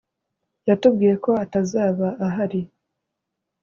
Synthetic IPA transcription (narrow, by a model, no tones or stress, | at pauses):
jatub̚ɡiːje̞ko̞atazaːβaːɦaɾi